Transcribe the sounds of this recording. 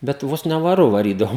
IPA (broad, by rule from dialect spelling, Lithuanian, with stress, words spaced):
bʲɛt ˈʋoːs nʲɛ ʋɐˈrʊ ʋɐˈrʲiːdɐʋoː